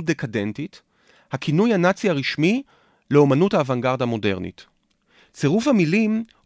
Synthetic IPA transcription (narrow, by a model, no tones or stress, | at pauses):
t̚dekade̞ntit | hakʰinujanat͡siaʁiʃmi | leo̞manuthaːvaŋɡaʁdamo̞de̞ʁnḭt | t͡se̞ʁufhamilim